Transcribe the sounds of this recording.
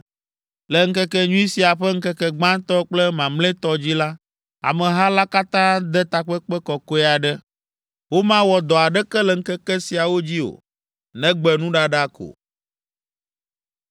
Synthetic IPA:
lɛ˨ŋ̩˦kɛ˦kɛ˦ɲũ˦i˦si˨a˨ɸɛ˦ŋ̩˦kɛ˦kɛ˨ɡ͡bã˦t̪ɔ˦k͡plɛ˦mã˨mlɛ̃˦t̪ɔ˦d͡ʑi˦la˦ | a̰˨mɛ̃˨ɦa˦la˦ka˦t̪ã˦d̪ɛ˦t̪a˨k͡pɛ˦k͡pɛ˦kɔ˨ko˦ɛ˦a˨ɖɛ˦ | wo˦mã˦wɔ˨d̪ɔ˨a˨ɖɛ˦kɛ˦lɛ˨ŋ̩˦kɛ˦kɛ˦si˨a˨wo˦d͡ʑi˦o̰˨ | nɛ̃˦ɡ͡bɛ˨nũ˦ɖa˦ɖa˦kʰo̰˨

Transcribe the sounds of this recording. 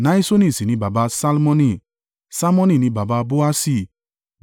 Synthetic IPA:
nã˦i˦so˦nĩ˦˨si˨nĩ˨˦ba˨ba˧˦sa˦lmɔ̃˦nĩ˧˨ | sa˦lmɔ̃˦nĩ˨nĩ˧˦ba˨ba˧bo˦a˦si˦˨

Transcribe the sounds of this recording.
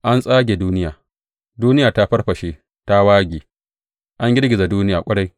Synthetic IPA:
ʔa˦nsʼaː˦ɡʲe˨duː˦nɪ˦jaː˨ | duː˦nɪ˦jaː˨ta˦ɸɐ˦rɸɐ˨ʃeː˦ | ta˦waː˦ɡʲiː˨ | ʔa˦ŋɡʲɪ˦rɡʲɪ˨za˨duː˦nɪ˦jaː˨kʷʼɐ˦ɽa˦j

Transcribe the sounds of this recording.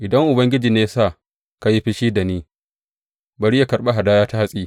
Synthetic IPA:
ʔɪ˨dɐ˦ŋʔʊ˨bɐ˦ŋɡʲɪ˦d͡ʒiː˨neː˦jsa˦˨ | ka˨ji˦ɸi˦ʃiː˦da˨niː˦ | bɐ˨ɽi˦ja˨kɐ˨rɓa˦ɦa˨daː˦jaː˦ta˦ha˦sʼiː˦

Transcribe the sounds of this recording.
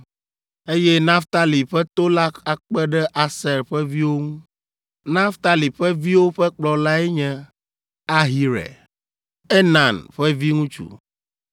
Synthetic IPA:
e˦jɛ˦nã˦ft̪a˦li˨ɸɛ˦t̪o˦la˦a˨k͡pɛ˦ɖɛ˦ʔa˨sɛ˨ɾɸɛ˦vi˦wo˦ŋũ˦ | nã˦ft̪a˦li˨ɸɛ˦vi˦wo˦ɸɛ˦k͡plɔ˨la˦ɛ˦ɲɛ̃˦ | a˦ɦi˨ɾɛ̰˨ | e˦nã˨nɸɛ˦vi˦ŋũ˦t͡ʃṵ˨

